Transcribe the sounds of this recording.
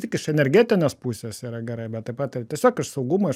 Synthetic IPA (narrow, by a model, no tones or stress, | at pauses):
t̪ʲɪkɪʃɛnʲɛɾʲɡʲæːt̪ʲɪnʲoːspusʲesiːɾɐɡʲɛɾɐɪbʲɛt̪tɐɪpɑːt̪ɐt̪ʲiɛsʲoːkɪʃsɐʊɡumoɪ